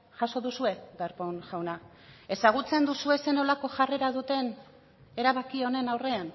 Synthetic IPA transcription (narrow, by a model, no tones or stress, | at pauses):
ʝaso̞ðusue̞beɾponʝawna | e̞saɣ̞ut͡se̞nd̪usue̞se̞no̞lako̞ʝare̞ɾaðut̪e̞n | e̞ɾaβakio̞ne̞nawre̞an